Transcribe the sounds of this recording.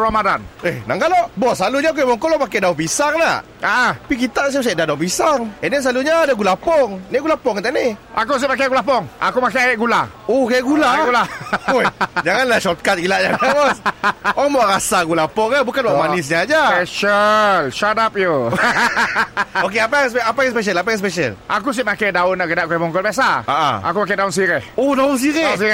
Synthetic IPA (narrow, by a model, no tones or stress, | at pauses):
ɾomadanehnaŋɡalɔʔbɔsaluɲaok̬ebɔŋkɔlɔmakadaupisaŋna | aʔaapik̬it̪aʔs̬usaʔdadaupisaŋɛnis̬laluɲaːdaɡulapɔŋniɡulapɔŋit̪aʔniakus̬epak̬aɡulap̬ɔŋa̰kumakaɡula | okaʔɡulaɡulaojd͡ʒaŋanlaʃɔt̪̚kat̪̚ɡilaʔɲaabɔsɔmaʔɾasaɡulapɔŋabukanwaʔmanɪs̬ɲaːd͡ʒaspɛʃəlʃatap̚ju | ok̬eapajspɛapajŋs̬pɛʃ̬əlapajaŋs̬pɛʃə̰lʔakus̬iʔmakajdaʊnːaʔɡədaʔkɔɛmɔŋɡɔlbias̬aaʔa̰a̰kumak̬ajdaʊnsiɾɛohdaʊns̬iɾɛas̬iɛ